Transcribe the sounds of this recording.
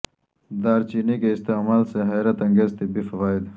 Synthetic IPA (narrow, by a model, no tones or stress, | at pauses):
d̪aːɾt͡ɕiːnikeɪst̪eːmaːlseɦeːɾɐt̪ɐ̃ŋɡeːzt̪ibifɐʋaːɪd̪